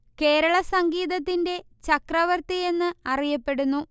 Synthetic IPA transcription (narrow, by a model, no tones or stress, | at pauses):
ke̞ːɾɐɭɐsɐŋɡiːðɐt̪̬ːinde̞ | t͡ɕɐkrɐʋɐrt̪ije̞nːɨɐrijɐpːe̞ɽunːu